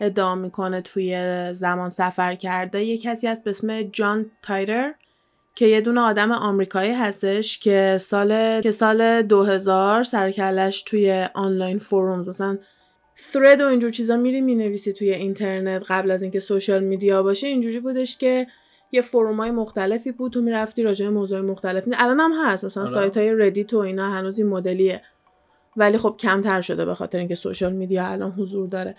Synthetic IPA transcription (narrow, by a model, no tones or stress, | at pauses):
e̞d̪ːeɒmiːkʰo̞ne̞t̪ʰuje̞zæmɒnsæfæɾcʰæɾd̪eje̞cʰːæsiːhæst̪̚besme̞d͡ʒɒnt̪ʰɒjɾe̞ɾ | cʰe̞je̞d̪uːneɒːd̪æmeʔɒmɾiːkʰɒːiːɦæst̪e̞ʃcʰe̞sɒːle̞e̞sɒːle̞d̪oɦe̞zɒːɾsæɾcʰæɾd̪æʃt̪ʰuje̞ʔɒnlɒjnfoɾumzmæsælæn | sɾe̞d̪o̞ind͡ʒuɾt͡ʃʰiːzɒmid̪imine̞viːsit̪ʰujeint̪ʰe̞ɾnet̪ɢæblæziːŋcʰe̞soʃɒlmid̪ijɒbɒːʃeind͡ʒuːɾiːbuːd̪e̞ʃcʰe̞ | jefoɾumɒːjemoxt̪æle̞fiːbuːd̪t̪ːʰomiɾæft̪iɾɒːd͡ʒebe̞moːzuɒːjemoxt̪ælefiælɒːnæmɦæst̪mæsælænsɒjt̪ʰhɒːje̞ɾe̞d̪it̪ʰoinɒːhænuːzinmod̪e̞lie | væliːxo̞b̥̚cʰæmt̪ʰæɾʃo̞d̪e̞bexɒ̰t̪ʰeɾeiŋcʰe̞so̰ʃɒlmid̪ijɒælʔɒ̰nɦozuɾd̪ɒːɾe